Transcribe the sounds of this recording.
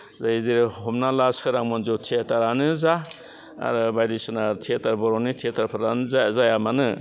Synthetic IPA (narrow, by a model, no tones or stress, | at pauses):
zaiziɾihɔmnalaskʰɯɾaŋmɔnzotʰetaɾanɯza | a̰ɾɯbajdisɯnatʰetaɾbɔɾɔnitʰetʰaɾpʰaɾanɯzazajamanɯ